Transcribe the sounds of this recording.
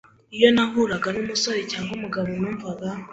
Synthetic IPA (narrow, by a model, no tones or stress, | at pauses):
ijo̞naɦuɾaɡanomusowecaɦumuɡaβonuːɱvaɡa